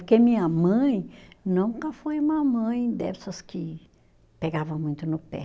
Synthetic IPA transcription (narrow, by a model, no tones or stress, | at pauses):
kemĩɲɐmɐ̃j̃nɐ̃w̃kɐfojũmɐmɐ̃j̃d̪ɛ̰sɐskɪ | peɡavɐ̃mũj̃t̪ʊnʊpɛ̰